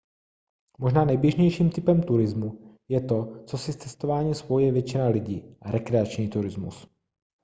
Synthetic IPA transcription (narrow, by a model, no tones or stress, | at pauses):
mo̞ʒnaːnɛjbjɛʒɲɛjʃiːmt̪ɪpɛmt̪uɾɪzmujɛt̪o̞t͡so̞sɪst͡sɛst̪ovaːɲiːspojujɛvjɛt͡ʃɪnalɪɟiːʔaɾɛkɾɛat͡ʃɲiːt̪uɾɪzmṵs